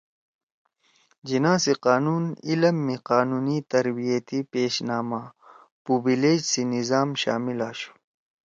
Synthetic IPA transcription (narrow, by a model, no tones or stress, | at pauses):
d͡ʑinãːsiqaːnuːnilɐmːiqaːnuːnit̪ɐɾbijɐt̪ipeːɕnaːma | pubileːd͡ʑsinizaːmɕa̰ːmilaːɕu̥